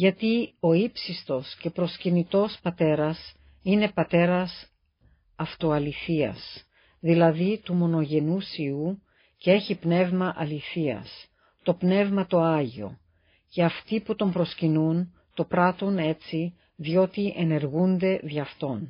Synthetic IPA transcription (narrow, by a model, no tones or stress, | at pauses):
ʝɐt̪io̞ipsist̪o̞sce̞pɾo̞scinit̪o̞spɐt̪e̞ɾɐs | ine̞pɐt̪e̞ɾɐs | ɐft̪o̞ɐliθiɐ̰s | ðilɐðit̪umo̞no̞ʝe̞nusiu | cee̞çipne̞vmɐʔɐliθiɐ̰s | t̪o̞pne̞vmɐt̪o̞ɐʝio̞̰ | ce̞ɐft̪iput̪o̞mpɾo̞scinun | t̪o̞pɾɐt̪une̞t͡si | ðio̞t̪iʔe̞ne̞ɾɣund̪e̞ðjɐft̪o̞n